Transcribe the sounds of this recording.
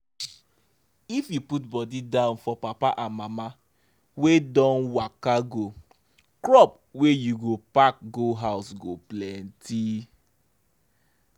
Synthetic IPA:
ifjuputbɔdidãʊ̃nfɔpapaʔamama | wedɔ̃nwakaɡo | kɹɔp | wejuɡopak̚ɡoɦaʊsɡoplɛ̃nti

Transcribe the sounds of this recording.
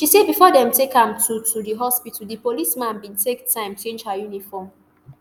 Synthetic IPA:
ʃisebifɔdɛ̃mtekãmtʰutʰudiɦɔspitəldəpolismãnbĩntʰektʰãɪ̃mt͡ʃẽnd͡ʒhajunifɔm

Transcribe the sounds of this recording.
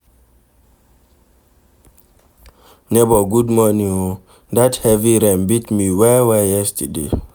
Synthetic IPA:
nebɔɡudmɔnĩŋo | dathɛviɾɛ̃mbitmiwɛwɛjɛstədḛ

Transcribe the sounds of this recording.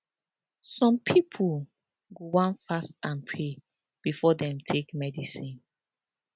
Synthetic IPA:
sɔ̃mpʰipʰul | ɡowãnfastãnpʰɹe | b̥ifɔdɛ̃mtʰekmɛdisĩn

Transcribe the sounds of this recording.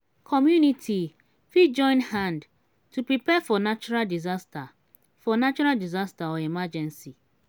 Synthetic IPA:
kʰɔmjunitʰi | fid͡ʒɔ̃ɪ̃nhãnd | tupɾipɛfɔnat͡ʃuɾaldizasta | fɔnat͡ʃɔɾaldizastaɔimad͡ʒɛ̃nsi

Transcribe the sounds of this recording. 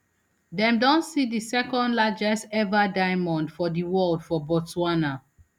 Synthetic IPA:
dɛ̃mdɔ̃nsidisɛkɔ̃ndlad͡ʒɛsɛvadaɪmɔ̃ndfɔdiwɔldfɔbɔtuana

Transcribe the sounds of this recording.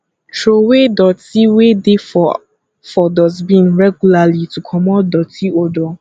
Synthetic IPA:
tɹowedɔtiwedefɔ | fɔdɔzbĩnɹɛɡulalitukʰɔmɔtdɔtʰiodɔ

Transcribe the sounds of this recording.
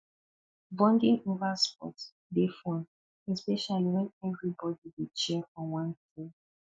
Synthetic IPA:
bɔ̃ndĩŋovaspɔ̰t | defɔ̃n | ɛspɛʃaliwɛ̃nɛvɹibɔdiwit͡ʃɛɔ̃wãntĩ

